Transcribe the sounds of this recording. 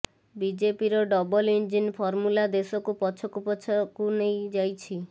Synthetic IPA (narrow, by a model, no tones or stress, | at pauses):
bid͡ʒepiɾɔɖɔbɔlind͡ʒinpʰɔɾmulad̪esɔkupɔt͡ʃʰɔkupɔt͡ʃʰɔkunejd͡ʒajt͡ʃʰi